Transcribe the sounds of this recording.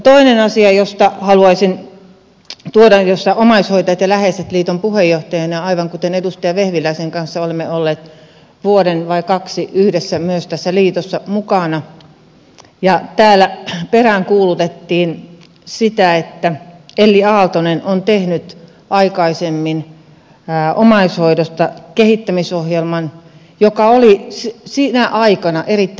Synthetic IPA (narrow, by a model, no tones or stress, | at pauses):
t̪oinenɑsiɑjost̪ɑhɑluɑisin | t̪uodɑjost̪ɑomɑishoit̪ɑjɑt̪jɑlæheset̪liːt̪ompuhejːoht̪ɑjɑnjɑɑiʋɑŋkut̪enedust̪ɑjɑʋehʋilˑæiseŋkɑnsːɑolemːeolːeːt̪ | ʋuoɾenʋɑikɑksiyhdesːæmyøst̪æsːæliːt̪osːɑmukɑnɑ | jɑt̪æːlæperæŋkuːlut̪et̪ːiːn | sit̪æet̪ːæelːiɑːlt̪onenʔont̪ehnyt̪ | ʔɑikɑisemːinː | ʔomɑishoidost̪ɑkehit̪ːæmisohjelmɑn | jokɑolissinæʔɑikɑnɑʔerit̪ː